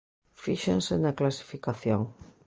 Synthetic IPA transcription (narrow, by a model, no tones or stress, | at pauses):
fiʃensɪnɐklasi̥fikaθjoŋ